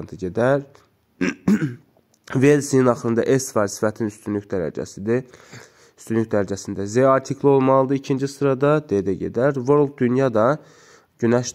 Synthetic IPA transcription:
nt̪ʰɯɟed̪æɾ | velʲsininɑχlɯnd̪ɑ̰ʔesfælsi̥fæt̪ʰinyst̪ynlycd̪æɾæ̰d͡ʒæ̰sid̪ | yst̪ynlycd̪æɾæd͡ʒæsind̪æzeɑɾt̪ʰikʰlˠio̞lˠmɑlˠɯd̪ɯicʰind͡ʒisɯɾɑd̪ɑd̪ed̪æɟḛd̪æɾvoɾl̚ˠd̪ynjɑd̪ɑ | ɟynæʃ

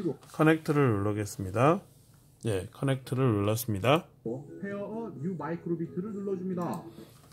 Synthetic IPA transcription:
ɡokʰʌne̞k̚tʰɯɾɯɾuɭːʌɡe̞s͈ɯmɲida | je̞kʰʌne̞k̚tʰɯɾɯɾuɭːʌs͈ɯmɲidaopʰeʌʔʌɲumaikʰɯɾobitʰɯɾɯɭnuɭːʌd͡ʑumɲida

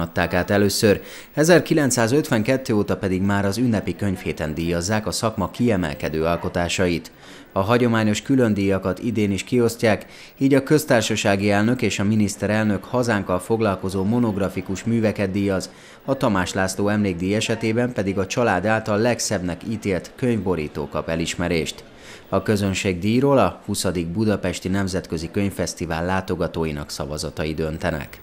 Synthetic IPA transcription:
t̪ːaːkaːt̪ɛløːsør | ɛzɛrkilɛnt̪saːzø̞t̪ʋɛŋkɛt̪ːøːoːt̪ɒpɛd̪iɡmaːɾɒzynːɛpikøɲfheːt̪ɛnd̪iːjɒzːaːkɒsɒkmɒkiɛmɛ̰lkɛd̪øːɒlko̞t̪aːʃɒjit̪ | ɒɦɒɟo̞maːɲo̞ʃkylønd̪iːjɒkɒt̪id̪eːniʃkio̞scaːk | iːɟɒkø̞st̪aːrʃɒʃaːɡiɛlnø̞keːʃɒminist̪ɛɾɛlnø̞khɒzaːŋkɒlfo̞ɡlɒlko̞zoːmo̞no̞ɡrɒfikuʃmyːvɛkɛd̪d̪ːiːjɒz | ɒt̪ɒmaːʃlaːsloːɛmleːɡ̚d̪iːjɛʃɛt̪eːbɛmpɛd̪iɡɒt͡ʃɒlaːd̪aːlt̪ɒlːɛksɛbnɛkiːt̪eːlt̪køɲvbo̞ɾḭːt̪o̰ːkɒpɛliʃmɛɾeːʃt̪ | ɒkø̞zønʃeːɡd̪iːroːlɒhusɒd̪iɡ̚bud̪ɒpɛʃt̪inɛmzɛt̪kø̞zikøɲfɛst̪iva̰ːlːaːt̪o̞ɡɒt̪oːjinɒ̰ksɒ̰vɒzɒ̰t̪ɒjid̪ønt̪ɛnɛ̰k

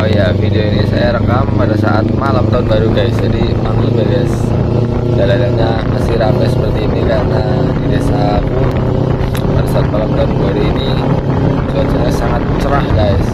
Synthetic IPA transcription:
ojafideoinisa̰jaɾəkampadasaʔat̪̚malamt̪aʊnbaɾuɡajsd͡ʒadimaŋibaɡas | daladaɲa | masiɾamasəpərt̪iːnikana | didesap | padasaat̪̚malamt̪aʊnbaɾuːni | suat̪̚sajasaŋat̪̚t͡ʃəɾahɡais

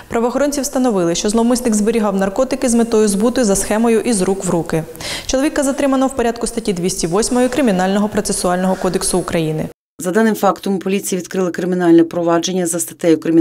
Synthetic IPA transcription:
pɾɐʋɔxɔɾɔnʲt͡sʲiwst̪ɐnɔʋɪlˠɪʃt͡ʃɔzlˠɔmʊsʲnɪkzbeɾʲiɦɑwnɐrkɔt̪ɪkɪzmet̪ɔjʊzbut̪ɔjʊzɐsxɛmɔjʊʔizɾukʋɾukɪ | t͡ʃɔlˠɔʋʲikɐzɐt̪ɾɪmɐnɔwpɔɾʲad̪̚kʊst̪ɐtʲid̪ʲʋʲisʲtʲiʋɔsʲmɔjʊkɾɪmʲinɑlʲnɔɦɔpɾɔt̪sesʊɑlʲnɔɦɔkɔd̪eksʊːkɾɐjinɪ̰ | zɐd̪ɑnɪmfɑkt̪ɔmpɔlʲit͡sʲijiʋʲid̪kɾɪlˠɪkɾɪmʲinɑlʲnɛpɾɔʋɑd͡ʒe̞nʲːɐzɐst̪ɐt̪ɛjʊkɾɪmʲi

